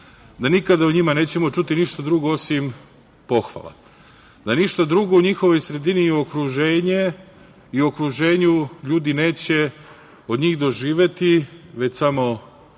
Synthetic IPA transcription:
d̪anikad̪auɲimane̞ːt͡ɕe̞mo̞t͡ʃut̪iniʃt̪ad̪ɾuɡo̞o̞sim | po̞xʋa̰lˠa̰ | d̪aniʃt̪ad̪ɾuɡo̞uɲixo̞ʋo̞jsɾe̞d̪inio̞kɾuʒe̞ːɲe | io̞kɾuʒe̞ːɲuʎuːd̪ine̞ːt͡ɕe̞ | o̞d̪ɲiːɣd̪o̞ʒiːʋjet̪iʋe̞t͡ɕsamo̞

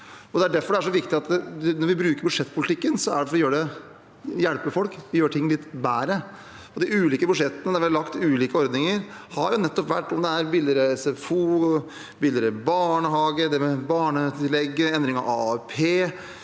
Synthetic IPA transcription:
ɔd̪ɛæɖæɾfɔɖɛæʂɔʋɪkt̪ɪɑt̪nɔɾʋɪbɾʉːkəɾbʉd̪ʂɛt̪ːpʰʊlɪt̪ʰɪkːənsɔæ̰ɖɛfɔɾɔjøːɾəɖɛ | jælpəfɔlkʋɪjøːɾʈʰɪŋːlɪt̪ːbæːɾə | ɔd̪ɪʉːliːkəbʉd̪ʂɛt̪ːənəd̪æɾʋɪɑlɑkt̪ʉːliːkəɔɾd̪nɪŋəɾhɑɾjʊnɛt̪ːɔpʋæ̰ʈːɔmd̪ɛæɾbɪld̪əɾɛsɛfuː | bɪld̪əɾɛbɑːɳəɦɑːɡəd̪ɛmɛbɑːɳət̪ʰɪlɛɡːəɛnd̪ɾɪŋɑ̰ʋɑːɛpʰeː

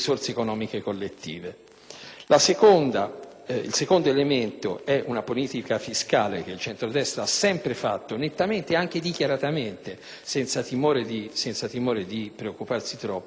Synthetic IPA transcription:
sort̪seːkonɔːmikekolːet̪ːḭːve | lasekond̪a | ḭlsekond̪oelement̪o̰ɛʔunapoliːt̪ikafiskaːlek̟eilt͡ʃɛnt̪ɾod̪ɛst̪ɾaasɛmpɾefa̰t̪ːonet̪ːament̪eaŋk̟ed̪ikjaɾat̪ament̪e | sɛnt̪sat̪imoːɾed̪isɛnt̪sat̪imoːɾed̪ipɾeokːuparsit̪ɾɔpː

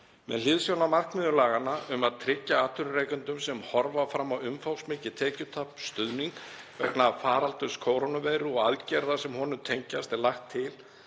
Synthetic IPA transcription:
mɛ̰ðlɪðsjownamar̥kmɪðʏlaːɣanaʏmaðt̪ʰɾɪcːaaːt̪ʰʏɾʏrejkʏnt̪ʏmsɛmhɔɾvafɾamːawʏmfawsmɪːcɪt̪ʰɛːcʏt̪ʰapst̪ʏðniŋk | vɛknafaːɾalt̪ʏskʰoːwɾonavɛːjɾʏɔɣaðcɛɾðasɛmɦɔnʏmt̪ʰejɲcast̪ɛɾlaxt̪ʰːɪl

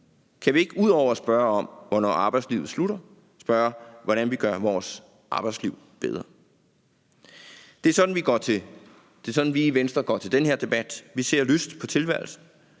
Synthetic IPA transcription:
kʰæʋie̝ɡ̥uð̞̰ˠɒʊ̰ɐsb̥ɶːɐɒ̽m̰ʋɒnɒ̰ːɑ̈ːb̥ɑ̈ɪdslḭʊð̩ˠsluɾ̥ɐ | sb̥ɶɐʋɒɾ̥ænʋiɡ̥ɶɐʋɒːs | ʔɑ̈ːb̥ɑ̈ɪd̥sliʊ | b̥eð̞ˠʁɐ | d̥eæɐsɒ̽d̥n̩ʋiɡ̥ɒt͡sʰe̝ | d̥e̝sɒ̽d̥n̩ʋiːʋensd̥ʁɐɡ̥ɒ̰t͡sʰe̝ld̥enɦe̝ɐd̥e̝b̥æd̥ʋise̝ɐ̰løsd̥pʰɒ̽t͡sʰe̝lʋæɐ̰l̩sn̩

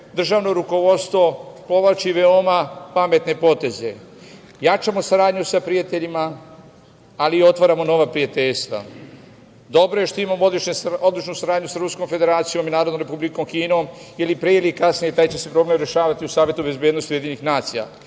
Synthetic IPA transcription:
d̪r̩ʒaːʋno̞ɾuko̞ʋo̞t̪st̪ʋo̞po̞ʋlat͡ʃiʋe̞o̞mapame̞t̪ne̞po̞t̪e̞ze̞̰ | jat͡ʃamo̞saɾaːd̪ɲusapɾijat̪e̞ʎima | lio̞t̪ʋaɾamo̞no̞ʋapɾijat̪e̞ʎst̪ʋa̰ | d̪o̞bɾoje̞ʃt̪oimamoleo̞d̪lˠit͡ʃnusaɾaːd̪ɲusaɾuskomfe̞d̪e̞ɾaːt̪sijominaːɾod̪nomɾe̞publiko̞mkiːno̞ːmjelipɾeeliekasnijet̪aːjt͡ɕe̞se̞pɾo̞ːble̞mɾe̞ʃaːʋat̪iusaːʋje̞t̪ube̞zbjed̪nost̪ujed̪iːnixnaːt̪sija̰

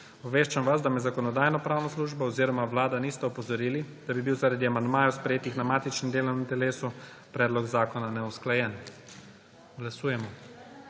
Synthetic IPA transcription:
ɔbʋeːʃt͡ʃamʋazd̪amɛzakɔnɔd̪aːjnɔpɾaːwnɔsluːʒbɔɔziːɾɔmaʋlaːd̪anist̪ɛɔpɔzɔɾiːlid̪̥abibiwzaɾad̪iamand̪maːjɔwspɾɛjeːt̪ixnamaːt̪it͡ʃnɛmd̪eːlɔwnint̪ɛleːsu | pɾɛːd̪lɔkzaːkɔnanɛusklajɛn | ɡlasuːjɛmɔ

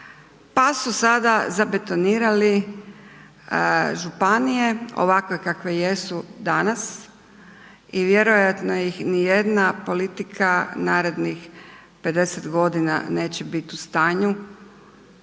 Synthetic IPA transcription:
pasusad̪azabe̞t̪o̞niːɾali | ʒupanijeo̞̰ʋakokakʋeje̞sud̪anas | iʋje̞ɾojat̪nojixnijed̪napo̞lit̪ikʰanaːɾe̞d̪nix | pe̞d̪e̞set̪ɡo̞d̪ina̰ne̞ːt͡ɕebit̪ust̪aːɲu

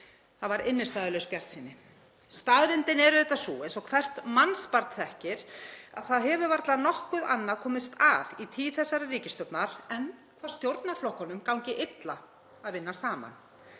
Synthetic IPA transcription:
θavaɾɪnːɪst̪aːðɪlœspjar̥t̪siːnːɪ | st̪aːðɾɪnt̪ɪnɛɾʏθɛht̪ːasuejnsɔɣkʰvɛr̥t̪manspaɾt̪θɛhcɪɾa̰ðθaðɦɛvʏvaɾt̪lanɔhkʏðanːakʰɔːmɪst̪aðit̪ʰiːθɛsːaɾariːcɪst̪œp̪naɾ̥ɛnkʰvaːɾ̥st̪jowɾt̪naɾflɔhkɔnʏmkawɲcɪʔejt̪la | aðvɪnːasaːma̰n

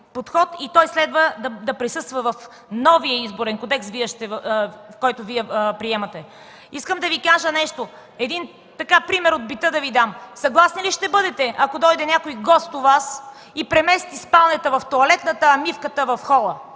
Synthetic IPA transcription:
pot̪xɔt̪it̪ɔjslɛd̪vəd̪ɐd̪ɐpɾisɤst̪vəvɐf | nɔviəizboɾɛnkod̪ɛksviɛʃt̪ɛfkɔjt̪ʊviɛpɾiɛmɐt̪ɛ | iskəmd̪ɐvikaʒənɛʃt̪o | ɛd̪in | t̪ɐkapɾimɛɾod̪̚bit̪əd̪ɐvid̪amsɐɡlˠasniliʃt̪ɛbɤd̪ɛt̪ɛʔɐkod̪ɔjd̪ɛnʲjakojɡɔst̪ʊvas | ipɾɛmɛst̪ispalˠnɛt̪əvɐft̪oɐlɛt̪nət̪əːmifkət̪əvɐfxɔlˠə

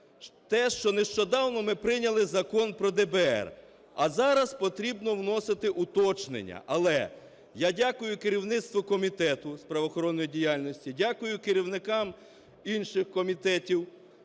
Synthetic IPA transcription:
t̪ɛʃt͡ʃɔneʃt͡ʃɔd̪ɑwnɔmɪpɾɪnʲɐlˠɪzɐkɔnpɾɔd̪ɛbɛɛ̰r | ɐzɑɾɐspɔt̪ɾʲibnɔwnɔsɪt̪ɪʔʊt̪ɔt͡ʃnḛnʲːɐ̰ʔɐlˠɛ | jadʲakʊjʊkɪɾʲiwnɪt̪st̪ʋʊkɔmʲit̪ɛt̪ʊspɾɐʋɔxɔɾɔnːɔjidʲijalʲnɔsʲtʲidʲakʊjʊkɪɾʲiwnɪkɑm | inʃɪxkɔmʲit̪ɛtʲiw

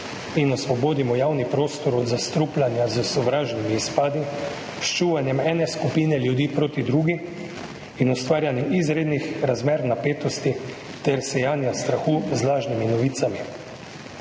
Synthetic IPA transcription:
inɔsʋɔboːd̪imɔjaːwnipɾoːst̪ɔɾɔd̪zast̪ɾuplʲanjazəsɔʋɾaːʒnimiːspaːd̪i | ʃt͡ʃuːʋanjɛmɛːnɛskupiːnɛljud̪iːpɾoːt̪id̪ɾuɡi | inɔst̪ʋaːɾjanjiʔizɾeːd̪nixɾazmeːɾnapeːt̪ɔst̪i | t̪ɛɾsɛjaːnjast̪ɾaxuːzlaːʒniminɔʋiːt̪sami

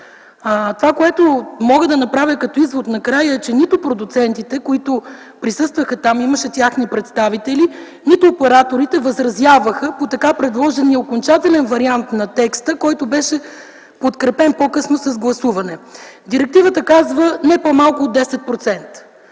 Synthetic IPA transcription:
ət̪ovakoɛt̪omɔɡəd̪ɐnɐpɾavʲjəkɐt̪ɔizvod̪nɐkɾajəɛt͡ʃɛnit̪opɾod̪ut̪sɛnt̪it̪ɛkoit̪o | pɾisɤst̪vəxɐt̪amiməʃɛt̪ʲaxnipɾɛt̪st̪avit̪ɛli | nit̪ʊːpɛɾat̪oɾit̪ɛvəzɾɐzʲjavəxəpot̪ɐkapɾɛd̪lˠɔʒɛniəokont͡ʃat̪ɛlɛnvɐɾiant̪nɐt̪ɛkst̪əkɔjt̪obɛʃɛ | pot̪kɾɛpɛnpokɤsnosɐzɡlˠɐsuvɐnɛd̪iɾɛk̚t̪ivət̪əkazvənɛpomalˠkʊːd̪ːɛsɛt̪̚pɾot̪sɛnt̪

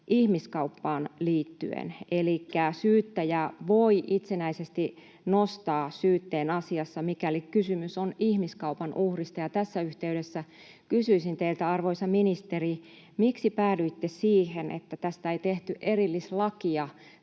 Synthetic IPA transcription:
ʔihmiskɑupːɑːnliːt̪ːy̰ḛnelikːæsyːt̪ːæjæʋoiʔit̪senæisest̪i | nost̪ɑːsyːt̪ːeːnɑsiɑsːɑmikælikkysymysonihmiskɑupɑnʔuhrist̪ɑjɑt̪æsːæyht̪eyɾesːæ | kysyisint̪eilt̪æɑrʋoisɑminist̪eri | miksipæːdyit̪ːesiːhenḛt̪ːæt̪æst̪æeit̪eht̪yʔerilːislɑkiɑ

